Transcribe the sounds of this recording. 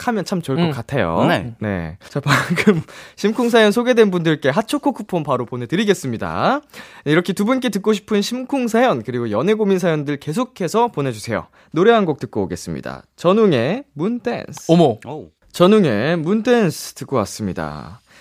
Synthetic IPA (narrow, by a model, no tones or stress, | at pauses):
kʰamjʌnt͡ɕʰamt͡ɕʌɭkʌk͈atʰejo̰nne̞̰t͡ɕapaɡɯmɕʰimkʰoŋs̬ʰajʌnsʰoɡe̞dwenbundɯɭk͈e̞ɦat͡ɕʰokʰokʰupʰompaɾopone̞dɯɾiɡe̞s͈ɯmɲida̰ | iɾʌkʰetubunk̬͈e̞tɯk͈̚oɕʰi̥pʰɯnɕʰimkʰoŋsʰajʌnkɯɾiɡojʌneɡominsʰajʌndɯɭke̞sʰokʰe̞sʰʌpone̞d͡ʑusʰe̞jo̰ | noɾe̞ɦanɡok̚t͈ɯk͈̚oo̰ɡe̞s͈ɯmɲḭda̰t͡ɕʌnuŋe̞muntʰe̞̰nsomo | t͡ɕʌnuŋe̞munt͈ʰe̞nsʰɯ̥tɯk͈owa̰s͈ɯmɲida̰